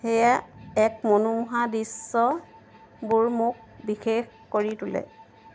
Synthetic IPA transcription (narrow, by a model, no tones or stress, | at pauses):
xejaɛk̚monumuɦadisːɔ | buɹmʊk̚bixex | koɹitʊlɛ̰